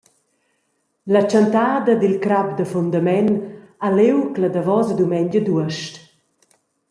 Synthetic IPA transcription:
lat͡ʃant̪aːd̪ɐd̪ilkɾapd̪əfund̪amɛn | alewkləd̪avɔzəd̪umɛɲd͡ʒəd̪uəʃt

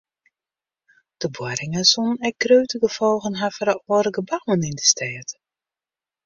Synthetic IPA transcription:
d̥əbwɔɾɪŋəsunɛk̚ɡrøːɥtəɡəfɔlˠɣənɦafəɾəɔːəɾəɡəbawənindəstɛːt

